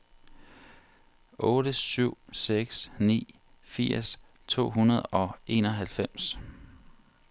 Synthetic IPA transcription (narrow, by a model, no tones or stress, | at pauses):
ʔɔ̽ːɾəsyʊ̰seɡ̥snḭː | fiɐ̰s | t͡sʰo̝̰ːɦunɐð̞̩ˠɒ̽e̝nɒ̽ɦælfem̰s